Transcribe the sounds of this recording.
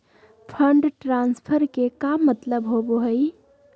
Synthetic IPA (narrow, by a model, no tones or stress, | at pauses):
pʰəɳɖʈɾanspʰəɾkekamːət̪ləbɦoboɦəɪ